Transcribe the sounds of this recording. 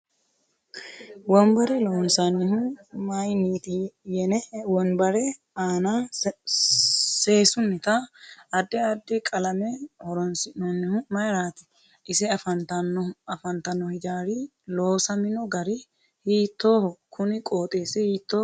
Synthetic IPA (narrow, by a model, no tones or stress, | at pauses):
wɔmbɐɾɪlɔɔnsanːɪhʊmɐjniːt̪ijɛnɛwɔnbɐɾɛ | aːna | se̞ːsʊnːɪt̪ɐɐd̪ːɛɐd̪ːɪkʼɐlɐmɛhɔɾɔnsɪnɔnːɪhʊmɐjɾaːt̪ɪ̥ | ʔɪsɪɐfɐnt̪ɐnɐfɐnt̪ɐnːɔhɪd͡ʒaːɾi | loːsɐmɪnɔɡɐɾɪ | hiːt̪ːo̞ːhɔkʰʊnɪkʼoːt̪ʼeːsɛhiːt̪ːoː